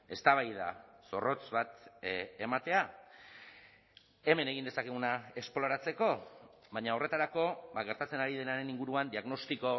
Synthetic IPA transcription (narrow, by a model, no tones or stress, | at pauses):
e̞st̪aβajða̰so̞ro̞t͡sβat̪e̞mat̪e̞a | e̞me̞ne̞ɣind̪esake̞ɣunae̞splo̞ɾat͡se̞ko̞βaɲao̞re̞t̪aɾako̞βaɣe̞ɾt̪at͡se̞naɾið̞enaɾe̞niŋɡuɾuand̪iaɣno̞st̪iko̞